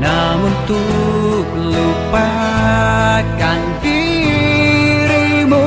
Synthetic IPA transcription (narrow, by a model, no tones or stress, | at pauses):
namunt̪u | lupa | kanfi | ɾimu